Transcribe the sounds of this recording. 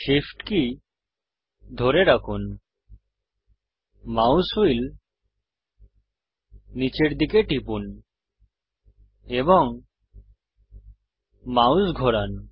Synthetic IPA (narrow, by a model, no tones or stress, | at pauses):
ʃifʈki | d̪ʱoɾeɾakʰun | mawsuil | nit͡ɕeɾd̪ikeʈipun | ebɔŋ | mawsɡʱɔɾan